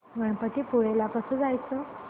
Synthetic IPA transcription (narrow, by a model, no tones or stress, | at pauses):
ɡəɳpət̪ipuɭelakəsəd͡zajt͡sə